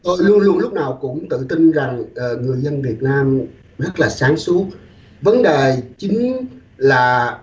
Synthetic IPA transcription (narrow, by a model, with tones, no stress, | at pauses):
o˧jlu˧ənlu˧ənlʊ˦˥k͡p̚naː˨˩wkʊ̰˧˥ŋ͡mt̪ɨ̰˧˨t̪i˧nza˨˩ŋʔəː˨˩ŋɨ˨˩əjzə˧nvi˨˩ət̚naː˧m | zə˦˥t̚laː˨˩saː˨˦ŋsu˦˥ət̚ | və˨˦nɗe˨˩t͡ɕï˨˦ŋ̟ | laː˨˩